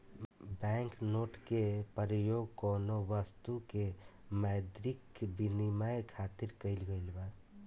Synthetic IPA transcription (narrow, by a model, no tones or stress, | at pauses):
bɛŋknoʈkepəɾəjoɡ̚konoʋəst̪ukemajd̪ɾikbinimajkʰat̪iɾkəɪlɡəjlba